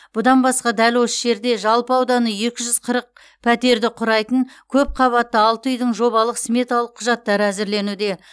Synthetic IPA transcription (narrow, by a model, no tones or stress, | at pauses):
b̥ʊd̪ɑnbɑsqɑd̪ælwo̞səʒe̞ɾd̪e̞ʒɑlˠpəɑwd̪ɑnəje̞kʲɪʒʏz̥qʰəɾəq̚ | pʰæt̪e̞ɾd̪ɪqʰʊɾɑjt̪əɴkʲʰɵp̚qʰɑβɑt̪ːəɑlˠt̪əʏjd̪ɪɴʒo̞βɑlˠəqsme̞t̪ɑlˠəqʰːʊʒɑt̪ːɑɾəæzɪɾle̞nud̪e̞